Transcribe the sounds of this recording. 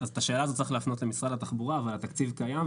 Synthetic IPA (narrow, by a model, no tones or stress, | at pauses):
azet̪aʃe̞ːlaːzo̞tt͡sʁixleːfno̞tlemisʁalhat̪aχbuʁaːvalat̪akt͡sivkajam